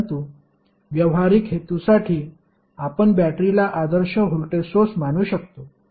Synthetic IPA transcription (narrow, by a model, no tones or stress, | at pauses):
t̪uː | ʋjəʋɦaɾiːkɦet̪usaʈʰiː | apəɳbæʈɾilaʔad̪əɾɕəɦulʈ̪esot͡smañuːɕək̚t̪o